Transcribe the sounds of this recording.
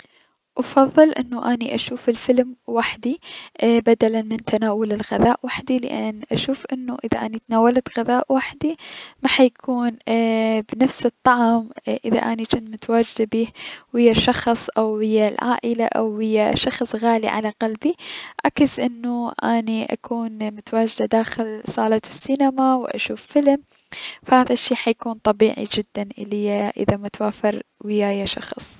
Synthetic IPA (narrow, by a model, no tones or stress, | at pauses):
ʔɑfɑðˤːɨlʔɪ̰nːuʔaːniʔaʃuːfɪlfɪlmwaħd̪ibad̪alanmɪnt̪ʰanaːwʊlɪlɣaðaːʔwaħd̪il̰ʔanʔaʃuːfʔɪnːuʔɪðaʔaːnit̪naːwalat̪ɣaðaːʔwaħd̪imaħajkʰuːnbnafsɨt̪ˤːɑʕmʔɪða̰ʔaːnit͡ʃɪnt̪mʊt̪awaːd͡ʒɪd̪abiːhwɪjːaʃɑxsˤʔawhɪjːalʕa̰ːʔɪlaʔa̰whɪjːaʃɑxsˤɣaːlḭʕa̰laqalbiʕakɪsʔɪnːuʔaːniʔa̰kuːnmʊt̪awaːd͡ʒɪd̪ad̪aːxɪlsˤɑːlɑt̪ɪsːinamawʔa̰ʃuːfːɪlm | fahaːðaʃːiːħajkuːnt̪ˤɑbiːʕḭd͡ʒɪd̪ːanʔɪlɪjːaʔɪ̰ðamat̪waːfɪɾwɪjːajaʃɑ̰xsˤ